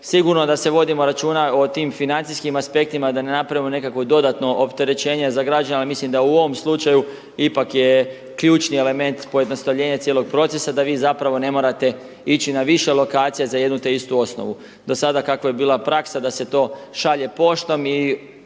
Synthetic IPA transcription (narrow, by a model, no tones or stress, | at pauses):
siɡuɾnod̪ase̞ʋo̞d̪imo̞ɾat͡ʃuːnao̞t̪iːmfinant̪iskimaspe̞k̚t̪imad̪ane̞napɾaʋimo̞ne̞kakʋod̪o̞d̪at̪no̞ʔopt̪e̞ɾe̞t͡ʃe̞ːɲezaɡɾad͡ʒanealimislimd̪auo̞ʋo̞mslˠut͡ʃaju | ipakje | kʎuːt͡ʃniele̞me̞nt̪po̞jed̪no̞st̪aʋʎe̞ːɲat̪sjelo̞ɡ̚pɾo̞t̪se̞sad̪aʋiːzapɾaʋo̞ne̞mo̞ːɾat̪e̞ | it͡ɕinaʋiʃe̞lo̞kaːt̪sijezajed̪nut̪e̞ist̪uo̞sno̰ʋu | d̪osad̪akakʋoje̞biːlˠapɾaksad̪ase̞t̪o̞ːʃaʎe̞po̞ʃt̪o̞mi